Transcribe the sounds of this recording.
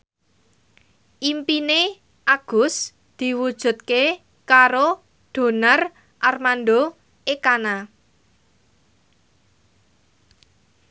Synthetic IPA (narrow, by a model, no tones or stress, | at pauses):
ʔimpine | ʔaɡ̥ʊ̤s | d̪̥i̤wud̥ʒ̥ṳt̪̚ke | kaɾo | ɖ̪̥o̤nar | ʔarmand̪o | ekana